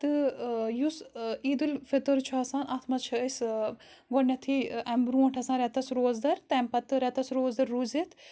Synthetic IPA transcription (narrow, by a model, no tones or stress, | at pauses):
t̪ɨjusiːd̪ulfet̪ɐɾt͡ʃʰaːsaːnɐt̪ʰmɐt͡ʃʰɐəs | ɡonʲːɐt̪ʰiɐmbɾuɐɳʈʰɐsãːɾɛt̪ɐsɾoːzd̪ɐɾt̪ɛmpɐt̪ːɨɾɛt̪ɐsɾoːzd̪ɐɾːuzet̪ʰ